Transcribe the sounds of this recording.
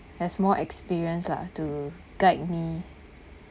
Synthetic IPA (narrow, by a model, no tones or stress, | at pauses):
dɛsmɔʔɛkspiɹiə̃nsla̰tu | ɡ̥aɪt̚mi